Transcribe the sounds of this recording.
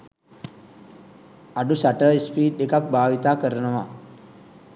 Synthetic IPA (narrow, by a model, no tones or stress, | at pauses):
aɖusaʈəespiːʈɗekak̚bʱaːʋit̪aːkəɾənəʋa̰